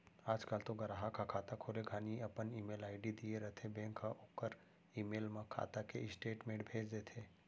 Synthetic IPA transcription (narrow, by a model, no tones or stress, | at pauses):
aːd͡ʒkalt̪oɡɐɾaɦakakʰaːt̪akʰoːleɡʱaːniɐpəniːmeːlaːɪɖid̪ieɾɐt̪ʰebɛ̃ːŋkːaʔokːəɾ | iːmeːlmãkʰa̰ːt̪akeɪsʈeːʈmẽːɖbʱeːd͡ʒd̪eːt̪ʰeː